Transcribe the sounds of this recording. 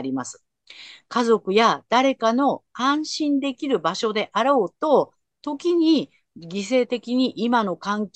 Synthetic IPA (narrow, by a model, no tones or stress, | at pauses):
ɾʲimasɨ̥ | kazo̞kɯ̟jad̪̥aɾe̞kano̞kãɰ̃ɕĩnd̪e̞kʲiɾɯ̟baɕo̞d̪e̞ʔaɾoːt̪o̞ | t̪o̞kʲiɲ̟i | ɡʲis̬e̞ːt̪e̞kʲiɲ̟iʔimano̞kãŋkʲ